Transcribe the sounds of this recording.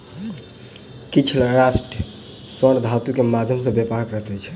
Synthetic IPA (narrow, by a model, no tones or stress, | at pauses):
kit͡ʃʰlɾasʈə | səɽd̪ʱat̪ukemad̪ʱjəmsə̃bjepaɾkəɦt̪ɛt͡ʃʰ